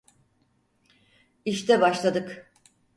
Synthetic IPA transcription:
iʃt̪ʰɛbaʃlˠad̪ɯk

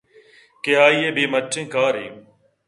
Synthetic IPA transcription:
keaːiːeːɓeːməʈʰːẽːkaːɾḛːũː

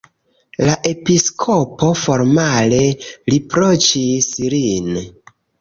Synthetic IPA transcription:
laʔe̞piskʰopo̞fo̞ɾmale̞lipɾot͡ʃislin

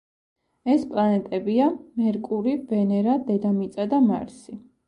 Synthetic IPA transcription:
ɛspʼlˠanɛt̪ʼɛbiamɛɾkʼuɾiv̥ɛnɛɾad̪ɛd̪amit̪sʼad̪ama̰ɾsi

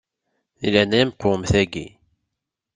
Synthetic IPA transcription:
ilænæjmqomθæɡḭ

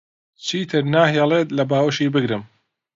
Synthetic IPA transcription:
t͡ʃʰiːt̪ʰɨɾnaːɦelˠeːt̪lɐbaːwəʃiːbɨɡɾɨm

